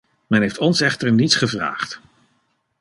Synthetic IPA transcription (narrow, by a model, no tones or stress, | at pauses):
mɛnɦejftɔnsɛχtəɹnitsχəvra̰ːχt